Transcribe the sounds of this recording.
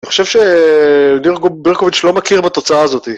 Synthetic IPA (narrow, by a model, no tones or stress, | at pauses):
aniχo̞ʃevʃe | niʁɡobiʁkovit͡ʃlo̞makiʁbat̪o̞t͡saaːzo̞t̪i